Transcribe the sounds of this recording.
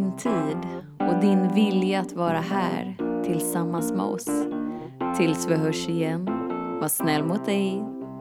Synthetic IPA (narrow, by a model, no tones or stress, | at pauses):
nt̪ʰiːd̪ | ɔd̪ɪnvɪljaːt̪vɑːɾaɦæ̰ːɾt̪ʰɪlsamːansmɛ̰ɔ̰s | t̪ʰɪlsvɪɦœʂɪjɛnːvaʂnɛlːmʊt̪̚d̪ɛj